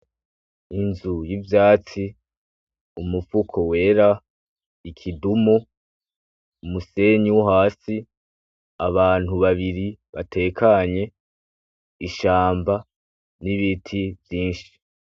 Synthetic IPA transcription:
inzujivjaːt͡si | umufukʰo̞we̞ːɾa | ikʰidumu | umuse̞ɲiwuɦaːsi | aβaːn̥huβaβiɾiβa̰tʰe̞ːkʰaɲe̞ | iʃaːmba | niβitʰivjiːnʃi̥

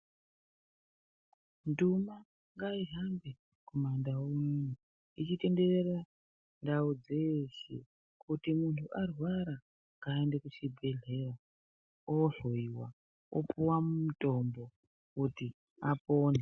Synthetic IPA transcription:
nduma | ŋɡaiɦambe | komandawomune | it͡ʃite̞nde̞rera | ndaud͡ze̞ʃḛ | kutimuntʰuʔarwaɾa | ŋɡaendekut͡ʃibʱe̞ɮe̞ra | oɬoiwa | o̰puwamumuto̞mbo̞ | kuti | apoːne

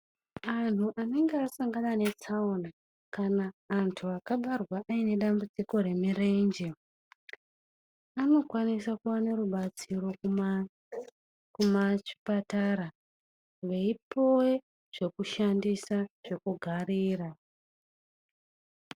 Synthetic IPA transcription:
an̤uʔane̞ŋɡeasaŋɡanane̞t͡sauna | kanaːntʰuakaɓarwaʔːine̞ɗambud͡ziko̞re̞mire̞nd͡ʒe | ano̞kwanisakuwane̞ruɓat͡siro̞ | kumat͡ʃi̥pataɾa | ʋe̞ipo̞we | ʐ̥e̞kuʃandisaʐ̥e̞kuɡʱariːra

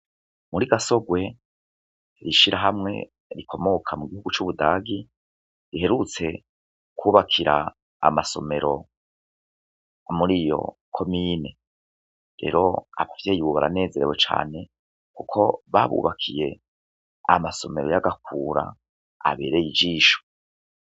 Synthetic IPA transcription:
muɾiɡaso̞ɡwe̞ | ɾiʃiɾaɦamŋe̞̰ | ɾikʰo̞mo̞kʰamuɡihuɡut͡ʃuβudaːɡi | ɾiɦe̞ɾut͡se̞ | kʰuːβakʰiɾa̰ː | maso̞me̞ɾo̞ | muɾijo̞̰kʰo̞mine̞ | ɾe̞̰ɾo̞aβavjeːjiβuβaɾa̰ne̞ːze̞ɾewe̞t͡ʃa̰ːne̞ | kukʰo̞βaβṵːβakʰije̞ | amaso̞me̞ɾo̞jaɡakʰuːɾa̰ | a̰βe̞̰ːɾe̞jid͡ʒiːʃo̥

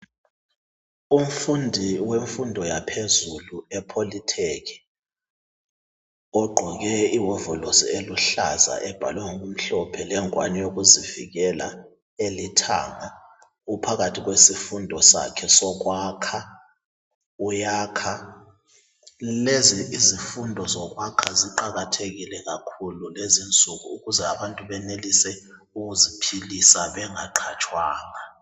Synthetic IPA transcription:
um̩fundʱiweɱfundʱɔjapʰezuluɛpʰolitʰekʰi̥ | ɔɡ͡ǃʱɔk̬ɛiwɔvɔlosḭeluɬa̰za̰ʔɛb̥ʱa̰lwɛŋok̬um̩ɬɔpʰɛlɛŋwa̰nijok̬uzivḭɣ̬ɛla̰ | elitʰa̰ŋa | upʰak̬atʰiɣ̬wesifundʱɔsa̰kʰɛsɔɣwaːkʰa | ujaːkʰa | leziizifundʱɔzɔɣ̬wakʰaziǃaɣatʰeɣilɛɣakʰululezint͡sʼuɣuːɣuzɛaβantʼuβɛnelisɛ | uɣuzipʰilisaβɛŋaǃʰat͡ʃʼʰwaːŋa

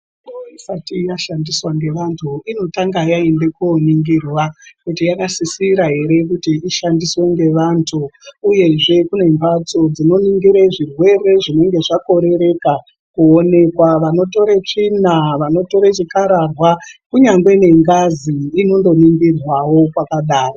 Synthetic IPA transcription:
oisatijaʃandiswaŋɡe̞ʋantʰuino̞taŋɡajaende̞kuoniŋɡirwakutijakasisiɾaɦe̞ɾe̞k̬utiiʃandisweŋɡe̞ʋantʰuuje̞ʐe̞kune̞mpat͡sod͡zino̞niŋɡiɾeʐirwe̞re̞ʐine̞ŋɡe̞ʐako̞ɾe̞ɾe̞ka | kuone̞kwaʋano̞to̞ɾet͡ʂinaʋano̞to̞ɾet͡ʃikaɾarwakuɲaŋɡwe̞ne̞ŋɡaziːno̞ndo̞niŋɡirwawo̞kwakaɗaːro

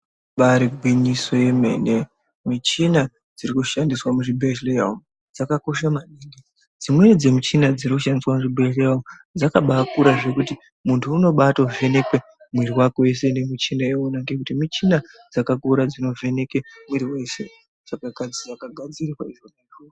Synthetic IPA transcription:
ɓaɾiɡʱwiɲiso̞je̞me̞̰ne | mit͡ʃina | d͡zirikuʃandiswamuʐibʱeʃlejaum | d͡zakako̞ʃamaniŋɡe | d͡zimwenid͡zemit͡ʃinad͡zirikuʃandiswamuʐibʱeʃlejaumu | d͡zakaɓakuɾaʐe̞kuti | muntʰuːno̞ɓatove̞ne̞kwe | mwiriwakoese̞nemit͡ʃinaeonaŋɡekutimit͡ʃina | d͡zakakuɾad͡zino̞ve̞ne̞kemwiɾiweese | d͡zakakad͡zid͡zakaɡʱad͡zirirwaiʐoneʐoo

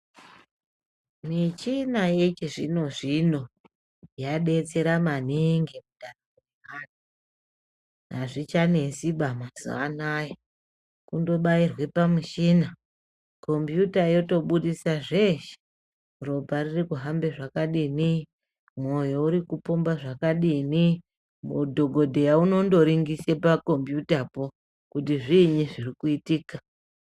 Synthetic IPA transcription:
mit͡ʃinajet͡ʃeʐḭno̞ʐino̞ | jaɗe̞t͡se̞ɾaman̤iŋɡemuɗarakuiɦaːna | ɦaʐit͡ʃane̞siɓamasṵanajo | kundo̞ɓairwe̞pamuʃina | ko̞mpjutaijo̞to̞ɓuɗisaʐeʃe̥ | ro̞paririkuɦambe̞ʐakaɗini | mo̞jouɾikupumbaʐakaɗini | mudʱo̞ɡʱo̞dʱejauno̞ndo̞ɾiŋɡisepako̞mpjutapo̞ | kutiʐiɲiʐirikuitiːka

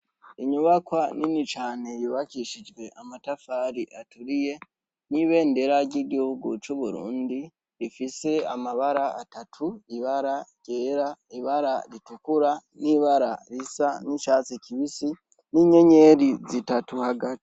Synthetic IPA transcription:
iɲuβakwaninit͡ʃaːne̞juβakiʃid͡ʒɡwe̞ʔamatafaɾiʔatuɾije̞ | niβe̞ːnde̞ɾaɾɟiɡihuɡṵt͡ʃuβuɾṵːndi | ɾifise̞amaβaɾaatatʰuiβaɾaɟ̥e̞ːɾaiβaɾaɾitukuɾaniβaɾaɾisaniʃaːt͡sekiβisi | niɲe̞ɲe̞ɾizitatuhaɡatii̥

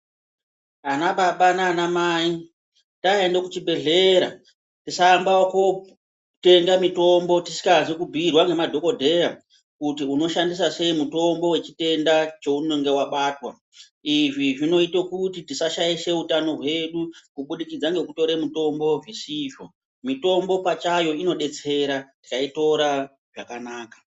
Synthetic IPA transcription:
anaɓaɓanaːnamaːi | taendekut͡ʃibʱe̞ɮe̞ɾa | tisaːmbaoko | te̞ŋɡamito̞mbo̞tisi̥kazikubʱirwaŋɡe̞madʱo̞ko̞dʱe̞ɾa | kutiuno̞ʃandis̬ase̞imuto̞mbo̞we̞t͡ʃi̥te̞ndat͡ʃo̞uno̞ŋɡe̞waɓaːtwa | iʐiʐino̞itokutitisaʃaiʃe̞utano̞ɦwe̞ɗukuɓuɗikid͡zaŋɡe̞kuto̞ɾemuto̞mbo̞visiːʐo̞ | mito̞mbo̞pat͡ʃajo̞ino̞ɗe̞t͡se̞ɾati̥kaito̞ɾa | ʐakanaːkḁ

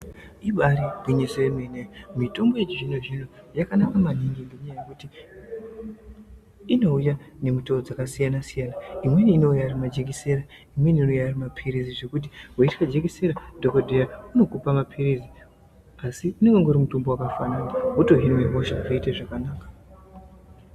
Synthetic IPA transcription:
iɓaɾibwiɲesoemenemito̞mbo̞jet͡ʃiʐinoʐino̞ | jakanakamaniŋɡiŋɡeɲajajekuti | ino̞ujane̞mutood͡zakasijanasijanaimwe̞niːno̞ujarimad͡ʒekise̞ɾa | imweninojarimapʰiriziʐe̞kut̬iɦoitkad͡ʒeɡiseɾadʱokodʱejauno̞kupamapʰirizi | asiuneŋɡoŋɡoɾimutumbowakafananaɦuto̞ɦimeɦoʃaʐiiteʐakanaːkḁ

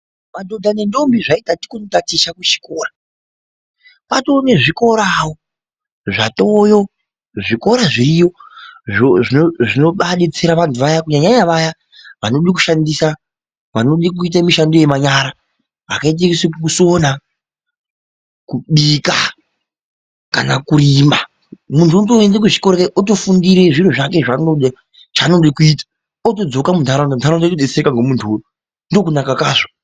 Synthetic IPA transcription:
madʱo̞dʱane̞ndo̞mbiʐaitati̥kunotatiʃakut͡ʃi̥koːra | patoːneʐiko̞ɾawo | ʐatojo̞ | ʐiko̞ɾaʐiɾijo̞ʐoʐinoʐino̞ɓaɗit͡siɾaʋantʰuʋajakuɲaɲaɲaʋaja | ʋano̞ɗik̬uʃandisa | ʋanoɗikuit̬amiʃandoje̞maɲaːɾa | a̰kait̬ekisekukusona | kuɓiːka | kanakuɾima | muntʰuotoendek̬uʐi̥koɾekaʔotofundiɾeʐiɾoʐak̬e̞ʐanoɗa | t͡ʃaːnondekuitḁ | oto̞d͡zokamuntʰaɾandontʰaɾaondetoɗet͡seɾekaŋɡemuntʰuojo | ndokunakakaːʐo

